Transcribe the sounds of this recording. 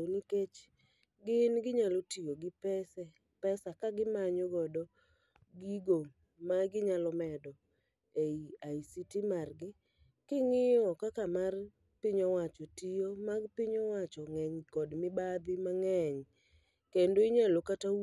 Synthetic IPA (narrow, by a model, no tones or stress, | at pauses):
oniket͡ʃ | ɡɪnɡɪɲalotijoɡɪpɛsɛ | pɛsakaɡɪmaɲoɡɔdɔ | ɡiɡo | maɡɪɲalɔmɛdɔ | eiaisitimarɡɪ | kɪŋɪjɔkakamar | pɪɲɔwat͡ʃɔtijomaɡpɪɲɔwat͡ʃɔŋɛɲkɔdmɪbad̪ɪmaŋɛɲ | kendoɪɲalokata